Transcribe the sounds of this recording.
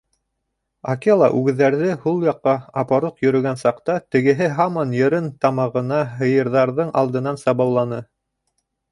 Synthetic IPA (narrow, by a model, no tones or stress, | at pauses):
ɑkelˠɑ̰ʔʉɡɘ̆ðːæɾðɘhulˠjɑqːɑɑpɑɾoqjɵ̆ɾɵ̆ɡænsɑqt̪ɑt̪ɘ̆ɡɘ̆ɦɘɦɑmɑnjɤ̆ɾɤnt̪ɑmɑʁɤ̆nɑɦɤ̆jɤ̆ɾðɑɾðɤɴʔɑ̰lˠd̪ɤ̆nɑnsɑβɑwlˠɑnɤ